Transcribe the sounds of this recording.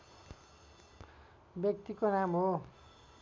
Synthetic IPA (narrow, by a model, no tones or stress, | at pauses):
bjʌk̚t̪ikonamɦo